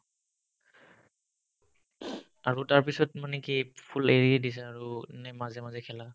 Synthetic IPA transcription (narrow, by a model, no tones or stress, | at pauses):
aɹutaɹpisɔtmanɛkipʰuleɹiadis̬ɛaɹunɛmazɛmazɛkʰɛla